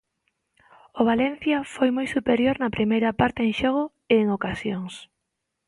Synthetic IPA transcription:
oβ̞alenθjɐfojmojsupeɾjoɾnɐpɾʔimejɾɐpaɾt̪eeŋʃoɣ̞ʊ | eːŋokasjoŋs

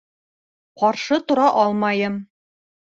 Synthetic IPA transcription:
qɒɾʃɤt̪ŏɾɑʔɒlˠmɑjɤm

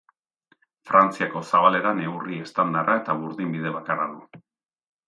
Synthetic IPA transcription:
fɾant͡siako̞saβale̞ɾane̞urie̞st̪and̪arʔae̞t̪aβuɾðimbið̞e̞β̞akaraðu

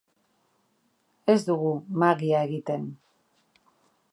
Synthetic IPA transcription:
e̞zd̪uɣumaɣiae̞ɣit̪e̞n

